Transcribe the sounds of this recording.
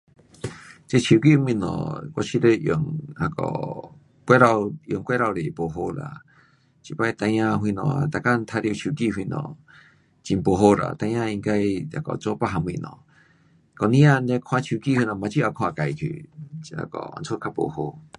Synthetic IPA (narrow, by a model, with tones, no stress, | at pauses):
t͡ɕe˧t͡ɕʰi˨ki˦˧mĩ˧nɔ̰̃˨kɔ˧ɕi˧le˧ʔjo˨˩ŋa˧kɔ̰˨ | kʷe˦ɾa˧wjo˨ŋkʷwe˦ɾa˧wɾe˨po˨˩ɦo˧la̰˨ | t͡ɕi˧˨pa˧jt̪a˧jã˧ɦwi˧nɔ̰̃˨t̪a˨ka˦n˧t̪ʰa˧ɾi˧t͡ɕʰu˨ki˧hwi˧nɔ̰̃˨ | t͡ɕi˨˧˨po˨ɦo˧ɾa̰˨t̪a˧˨jã˧i˧ŋ˧ka˧ja̰˨˧kɔ̰˨t͡so˧˦pa˧ɦa˧m˧ḭ̃˧nɔ̰̃˨˧ | kɔ˨nĩ˧˦a˧nle˧kʰw̃ã˧t͡ɕʰu˨ki˦˧˨hwi˧nɔ̃˨mã˨t͡ɕi˧˦a˧˩kʰw̃ã˧˨ka˨jt̪ʰḭ˨˧a̰˧kɔ̰˨˩a̰˧nt͡sʰo˦kʰa˧po̰˨ho˧